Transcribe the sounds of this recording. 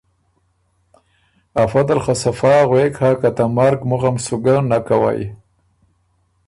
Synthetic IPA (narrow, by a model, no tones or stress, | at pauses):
afad̪alxasafɑɣwekʰhakat̪amaɾɡmʊɣamsʊɡanakawa̰j